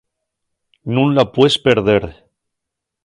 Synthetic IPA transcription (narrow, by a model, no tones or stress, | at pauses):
nũnlapwespeɾðeɾ